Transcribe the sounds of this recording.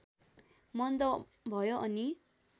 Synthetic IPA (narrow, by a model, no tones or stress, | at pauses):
mʌnd̪ʌbʱʌjoʔʌni